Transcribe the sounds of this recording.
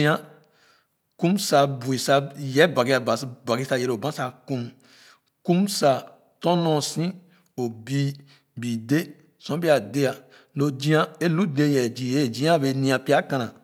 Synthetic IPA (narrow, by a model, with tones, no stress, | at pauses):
ĩ˦ã˦ | kũ˦msa˨bu˨i˨sa˦jɛ˦ba˨ɡi˦a˨ba˨ba˨ɡi˦sa˨je˨ɾo˨bã˦sa˨kũ˦m | kũ˦msa˨ | tɔ̃˦nɔ̃˦˨sĩ˦ | o˨bi˦ | bi˨de˦ | sɔ̃˦bi˦a˨de˦a˨ | lo˨d͡ʒĩ˦ã˦e˦lu˦de˦˨jɛ˨d͡ʒi˨je˦˨d͡ʒĩ˦ã˦˨be˨nĩ˧ã˨pi˦a˦kã˨nã˨